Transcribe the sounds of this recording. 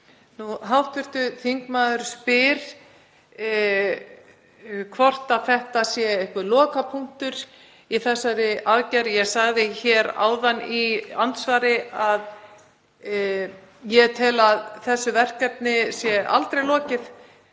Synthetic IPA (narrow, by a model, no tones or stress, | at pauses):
nuɦawht̪vɪr̥t̪ʏθiŋkmaːðʏɾspɪɾ̥ | kʰvɔr̥t̪aðθɛht̪asjɛɪhkvʏlɔːkapʰuŋ̥t̪ʏɾ̥ | iθɛsːaɾɪʔaðcaɾjɛɣsaɣðɪçɛːɾa̰ːwðaniant̪svaːɾɪað | jɛt̪ʰɪlaðθɛsːʏvɛr̥kɛt̪̚nɪsjɛʔa̰lt̪ɾejlɔːcɪθ